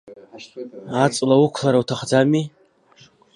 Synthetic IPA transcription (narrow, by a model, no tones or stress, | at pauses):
at͡sʼlaukʷʰlaɾawtʰaχd͡zami